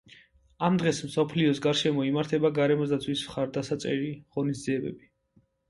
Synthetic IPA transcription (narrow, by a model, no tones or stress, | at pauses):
amd̪ʁɛsmsɔpʰliɔsɡaɾʃɛmɔimaɾt̪ʰɛbaɡaɾɛmɔzd̪at̪sʰwismχaɾd̪asat̪sʼɛ̰ɾiʁɔnisd̪ziɛbɛ̰bi